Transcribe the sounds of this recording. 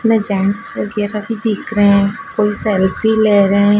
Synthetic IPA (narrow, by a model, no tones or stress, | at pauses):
mẽd͡ʒɛːɳʈsʋəɡɛːɾabʱid̪ʱikɾeɦɛ̃koːisɛːlfileːɾəɦɛ̃